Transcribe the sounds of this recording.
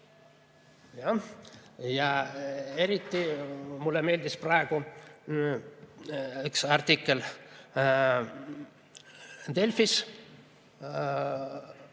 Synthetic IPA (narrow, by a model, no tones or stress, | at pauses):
jɑ | jɑ | eɾit̪ːimulːeme̞ːld̪isprɑeku | yksɑrt̪ikːel | d̪̥elfis